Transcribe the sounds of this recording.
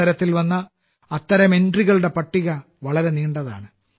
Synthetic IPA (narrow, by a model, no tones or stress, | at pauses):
ɐɾɐt̪ːilʋɐnːɐː | t̪ːɐɾɐmenɖriɣɐɭɨɽe̞pɐʈːiɣɐ | ʋɐɭɐɾe̞niːɳɖɐða̰ːɳɨ